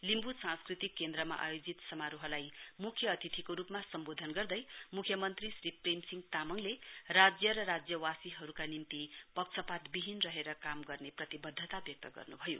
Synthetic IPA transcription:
limbusãnskrit̪ikːend̪rʌma̰ʔa̰jod͡zit̪sʌmaɾuɦʌlajmukʰjʌːt̪it̪ʰikoɾupmasʌmbod̪ʱʌnɡʌrd̪ʌjmukʰjʌmʌnt̪risriprimsiŋɡt̪amʌŋlerad͡zjʌɾʌɾad͡zjʌwasiɦʌɾukanimt̪ipʌk̚t͡sʰʌpat̪biɦinrʌɦeɾʌkamɡʌrneprʌt̪ibʌd̪ʱːət̪abjʌk̚t̪ʌɡʌ̰rnubʱʌjo̰

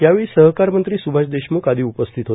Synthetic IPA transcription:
jaʋiːsəɦkaɾmənt̪ɾiːsubʱaɕd̪eɕmuːkad̪ʱiːupəst̪ʰit̪ɦo

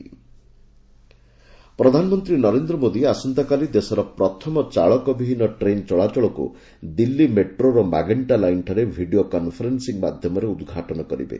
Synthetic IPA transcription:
pɾɔd̪ʱanɔmɔnt̪ɾinɔɾend̪ɾɔmod̪iasɔnt̪akalid̪esɔɾɔpɾɔt̪ʰɔmɔt͡ʃaɭɔkɔbibʱinɔʈɾent͡ʃɔɭat͡ʃɔɭɔkṵ | d̪ilːimeʈɾoɾɔma̰ɡeɳʈalajnʈʰɔɾebʱiɖiokɔnpʰɔɾensiŋma̰d̪ʱjɔmɔɾeud̪ɡʱaʈɔnɔkɔɾḭbḛ

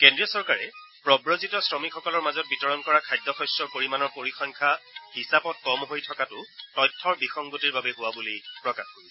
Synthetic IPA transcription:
kendɹijɔsɔɹkaɹɛ | pɹɔbɹozitɔsɹɔmikxɔkɔlɔɹmazɔt̚bitɔɹɔnkɔɹakʰajdːɔxɔsɔkoɹimanɔɹpoɹikʰɔŋkʰahisapɔt̚kɔmɦojtʰɔkatʊtɔjtʰːɔɹbixɔŋɡotiɹbabɛɦʊwabulipɹɔkaxkoɹisɛ

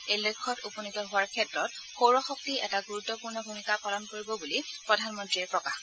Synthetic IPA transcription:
elekʰːɔtupɔnitɔɦʊwaɹkʰɛtɹɔt̚ | xowɹɔxɔk̚tiʔɛ̰taɡuɹutːɔpuɹnɔbʱumikapalɔnkoɹibɔbulipɹɔdʱanmɔntɹiɹpɹɔkax

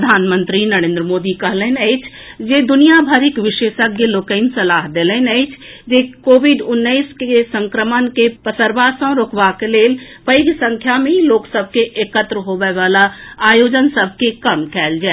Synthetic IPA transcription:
əd̪ʱaːnmə̃nt̪ɾinɐɾẽːnd̪ɾəmoːd̪ikəɦlɛnəɪt͡ʃʰ | d͡ʒed̪ʊnijabʱəɾɪkʋɪʃeːʃəɡeloːkəɪnsɐlaːɦd̪eːlənəɪt͡ʃʰd͡ʒekoːʋɪɖʊnːəɪskesə̃ŋkɾəmənkepəsəɾbaːsə̃ɾoːkʰʋakeleːl | pəɪɡsə̃ŋkʰjamẽiloːksəbʱkeʔeːkət̪ɾəɦoʋəʋaːlaaːjoːd͡ʒənsəbʱkekəmkɛːld͡ʒaːɛ

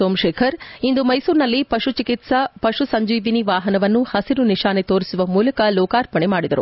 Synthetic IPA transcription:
soːmʃɛːkʰɐɾind̪umɐjsuːɾnɐlːipɐʂut͡ʃikit̪sɐpɐʂusɐɲd͡ʒiːʋiniʋaːɦɐnɐʋɐnːuhɐsiɾuniʃaːnet̪oːɾisuʋɐmuːlɐkɐlɔːkaːɾpɐɳemaːɽid̪ɐɾṵ

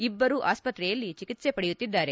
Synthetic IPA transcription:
ibːɐɾuʔa̰ːspɐt̪ɾɛjɐlːit͡ʃikit̪se̞pɐɽejut̪ːid̪ːaːɾe̞

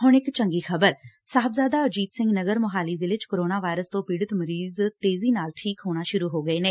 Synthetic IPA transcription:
ɦʊɽɪkt͡ʃəŋɡiːxʰəbəɾsaːɦəbzaːd̪aːəd͡ʒiːd̪sɪ̃ŋɡnəɡəɾmʊɦaːliːzɪlɪt͡ʃkoːɾoːnaːʋaːɪɾəst̪õːpiːɽət̪məɾiːzt̪eːziːnaːlʈʰiːkɦoːɽ̃aːʃʊɾuːɦoːɡəeːneː

